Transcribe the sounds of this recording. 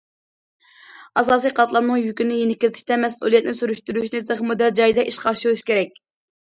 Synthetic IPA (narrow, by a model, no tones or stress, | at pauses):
ɑsɑːs̬ijqʰɑt̪lˠɑmnɨŋjykʲynɪjenɪkʲːilɪt̪ʰɪ̥ʃt̪ɛmɛsʔṵlˠijɛt̪nɪsyɾyʃt̪yɾyʃnɪd̪əχmud̪æld͡ʒɑjd̪ɛʔiʃqʰɑʃulˠuʃkʲʰeɾɛkʲ